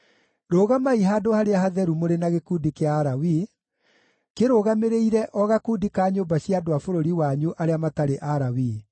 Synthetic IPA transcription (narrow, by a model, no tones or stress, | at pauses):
ɾoːɣamaiɦaːdohaɾeaɦaðɛɾumoɾenaɣekuːdikeaːɾawi | keɾoːɣameɾeiɾɛʔɔɣakuːdikaːɲoːmbaɕiadoafoɾoɾiwaɲuʔaɾeamataɾeʔaɾawi